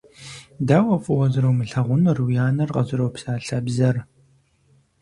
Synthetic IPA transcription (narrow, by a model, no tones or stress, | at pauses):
daːwɐfʼuwɐzɨɾɐwmɨɬɐʁʷʊnɐrwjaːnɐrqɐzɨɾowpsaːɬɐbzɐr